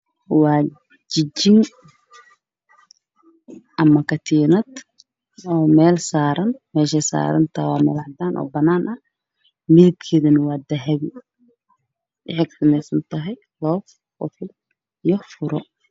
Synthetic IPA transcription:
wɑː | d͡ʒɪd͡ʒɪŋ | ʔɐmɐkʰɐt̪ʰiːnɐd̪ | ɔːmɛːlsaːɾɐnmɛːʃɛsa̰ːɾɐ̰nt̪ʰɐwɑ̰ːmɛ̰ːlɐʕd̪aːnʔɔ̰ːbɐnaːnʔɐh | mɪðɪb̚kʰɛːðɐnɐwɑːd̪ɐɦɐβɪ | ʔɪħɛɡt̪ʰɐnɛsɐnt̪ʰɐɦɛj | lɔːf | qʊ̰t̪ʰɪl | ijɔfʊɾɔ̰

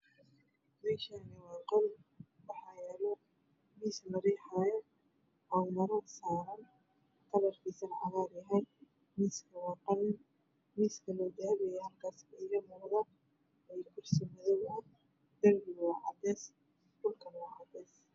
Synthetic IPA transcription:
mɛːʃaːnɪwɑːqɔl | wɑħɑːjɛːlɛ | miːsmɐɾiːħajɐ | ʔamɐɾɐsaːɾɐn | t̪ʰɐlɐrkʰisɐnʕɑ̰ɣaːɾjɐɦɛj | miːskʰɐwɑːqɑlɪn | miːskʰɐlɔːd̪aːβɛjɛhɐrkʰaːsɐɪɣɐmʊqðɐ | ɛjkʰʊrsɪmɐðɔwɐ | d̪̥ɐlɡɪwɑːʕɑ̰d̪ɛːs | dʊlkʰɐnwɑːʕɑd̪ɛːs

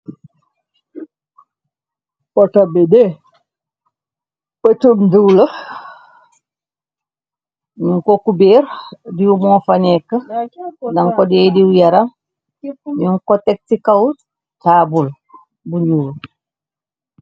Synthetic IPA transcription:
pɔtabɛdɛ | pətumduwlə | ɲuŋkokubeːɾdiumɔːfanɛkːə | daŋkɔdɛːdiwujaɾam | ɲuŋkɔtɛk̚tikaw | taːbul | buɲuːl

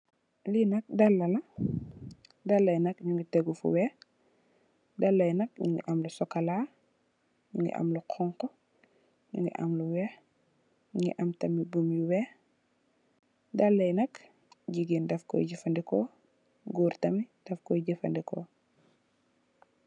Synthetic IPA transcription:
linɐk̚dɐlːɐlɐ | dɐlːɐjnɐkɲuŋɡitɛɡufṵwɛ | dɐlːɐjnɐk̚ɲuŋɡḭʔɐmlusɔkɐla | ɲuŋɡḭʔɐ̰mluqʰɔŋkɔ | ɲṵŋɡḭʔa̰mluwɛx | ɲuŋɡḭʔɐmtɐmibumjuwɛː | dɐlːɐjnɐk | ɟiɡindɐfkɔ̰jɟifɐndɛkɔ | ɡuːɾtɐmid̥ɐfkɔjɟifɐ̰ndikɔ̰

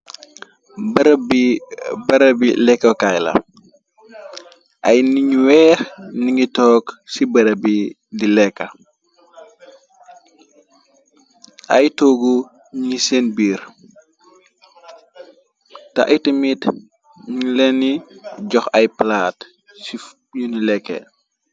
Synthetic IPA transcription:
bb | bɐɾɐbilɛkːɐkajlɐ̰ | ʔɐjniɲuwɛːxniŋɡitɔːksibɐɾɐbi | dilɛkːɐ | ʔɐ̰jtoːɡu | ɲisenbiːɾ | tɐ̰ʔitimit | ɲlɛniɟɔxɐjplaːt | si | junulɛkːɛ̰

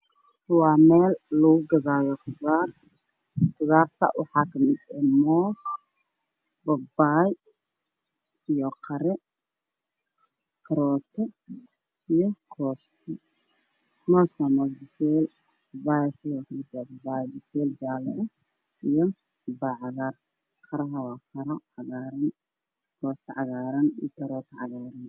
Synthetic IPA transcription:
wɑːmɛːlːɐɣʊɡɐðaːjɔkʰʊðaːr | kʊɣaːrt̪ʰɐ̰wʔɑ̰ħɑːkʰɐmɪd̪ɛmɔːs | bɐbaːj | ijɔqʰɐɾɛ | kʰɐɾɔːt̪ʰɛ | ijɔkʰɔːst̪ʰɛ | mɔːskʰamɔːsbɪsɛl | bbajsiɔklɪd̪abɐbaːjbɪsɛld͡ʒaːlɛɛ | ijɔ | baːʕɑɣar | qʰɐɾɐɦɐwaːqʰɐɾɔʕɑɣaːɾɐn | kʰɔːst̪ʰɛʕɑɣaːɾɐnijɔkʰɐɾɔːt̪ʰɛʕɑɣaːɾɐn

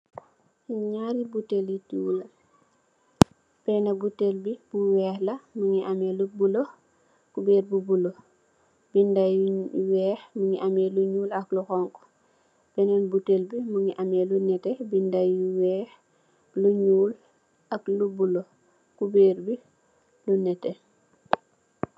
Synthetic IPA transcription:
ɲaːɾibutelitulɐ | bɛnɐbutelbibuwɛːxlɐmuŋiʔɐmɛːlubulo | kubɛːrbubulo | bindajwɛːxmuŋiʔɐmɛːluɲuːlɐkluxɔŋkɔ̥ | bɛnɐnbutelbimuŋiʔɐmɛːlunɛtɛbindɐuwɛx | luɲuːl | ɐklubulo | kubeːrbi | lunɛtɛ

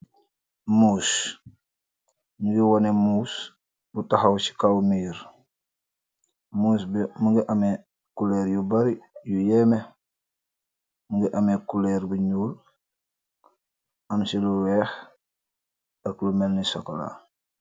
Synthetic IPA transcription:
muːs | ɲuɡiwonemuːs | butaxawsi̥kawmiːɾ | muːs̬bmuɡiʔame | kulɛːɾjubaɾijujɛme | muŋɡiʔamekulɛɾbuɲuːl | amsiluwɛːx | aklumelnisokola̰

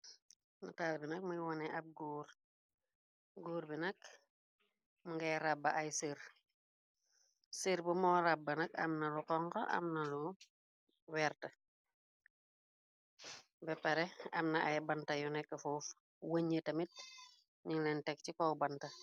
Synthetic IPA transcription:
nɐtaːlbinɐk̚mujwɔnɛʔɐp̚ɡuːɾ | ɡuːɾbinɐk̚ | muŋɡɐjɾabːɐʔɐjsiɾ | siɾbumɔːɾabːɐnɐkɐ̰mnɐluqɔŋkɐʔɐ̰mnɐlu | wɛːrtɐ | bɛpɐɾɛɐmnɐʔɐjbɐntɐjunɛkːɐfuːf | wɐɲətɐmit̚ | ɲiŋlɛntɛk̚cikɔwbɐntɐ

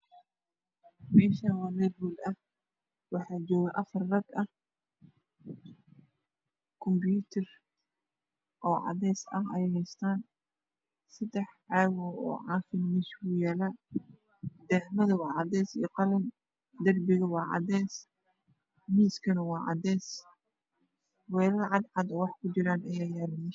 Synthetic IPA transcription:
mɛːʃawɑːnɛbuːlɐh | wɑħɑːt͡ʃɔːɣɐʔɐfɐrːɐɡɐh | kʰɔmbjuːt̪ʰɐr | ʔɔːʕɑ̰ðɛːsɐhɛjhɛjst̪ʰaːn | sɐd̪ɛħʕɑːɣɔɔ̰ːʕɑːfɪnmiːskʊjaːla | d̪̥ɛhmɐðɐwɑːʕɑd̪ɛːsḭqɑlɐm | d̪ɐrbɪɣɐwɑːʕɑ̰d̪ɛːs | miːskʰɐnɐwɑːʕɑ̰d̪ɛːs | wɛːlɐlʕɑd̪ʕɑd̪ɔːwɑħkʰʊd͡ʒɪɾaːnɐjaːjaːlɐnɪ

